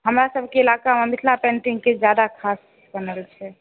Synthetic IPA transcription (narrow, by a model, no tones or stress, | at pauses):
ɦəmɾasəbʱkeilakamamit̪ʰlapɛ̃ɳʈiŋɡked͡ʒjad̪akʰas | kənəlt͡ʃʰɛ